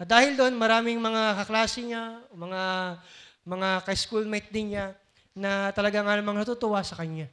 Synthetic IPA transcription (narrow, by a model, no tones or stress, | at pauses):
ʔɐd̪aːhɪld̪oonmɐɾaːmɪŋmɐŋakɐklaːsɪɲaomɐŋa | mɐŋakɐɪskulmɛjt̪̚d̪ɪnɲa | nɐt̪ɐlɐɡaŋanɐmɐŋnɐt̪ut̪ʊʔasɐkɐɲɲa